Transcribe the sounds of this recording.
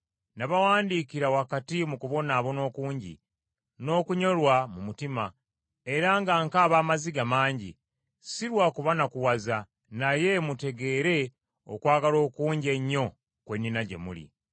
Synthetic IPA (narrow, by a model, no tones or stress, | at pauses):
naβawaːndiːkiɾawakatimukuβo̞naːβo̞no̞ːkuːɲɟḭ | no̞ːkuɲo̞lwamumutima | e̞ɾaŋɡaŋkaːβaːmaziɡamaːɲɟḭ | siɾwaːkuβanakuwaza | naje̞mute̞ɡe̞ːɾe̞ | o̰kwaːɡalo̞ːkuːɲɟe̞ɲːo̞ | kwe̞nːinaɟe̞̰mṵlḭ